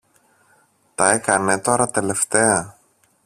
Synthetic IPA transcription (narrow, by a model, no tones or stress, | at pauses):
t̪ɐe̞kɐne̞t̪o̞ɾɐt̪e̞le̞ft̪e̞ɐ